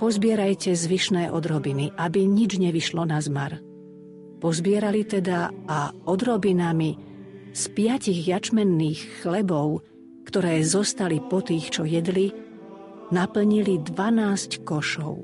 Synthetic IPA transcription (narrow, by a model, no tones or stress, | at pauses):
pɔzbɪɛɾajcɛzʋiʃnɛːʔɔd̪ɾɔbiniʔabiɲid͡ʒɲɛʋiʃlɔnazmaɾ | pɔzbɪɛɾalit̪ɛd̪aaɔd̪ɾɔbinami | spɪaciɣjat͡ʃmɛnːiːxːlɛbɔʊ | kt̪ɔɾɛːzɔst̪alipɔt̪iːxt͡ʃɔjɛd̪li | napl̩ɲilid̪ʋanaːsckɔʃɔʊ